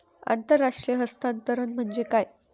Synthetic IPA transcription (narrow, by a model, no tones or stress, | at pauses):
a̰nt̪əɾːaʂʈɾijəɦəst̪ant̪əɾənm̤əɳd͡ʑekaj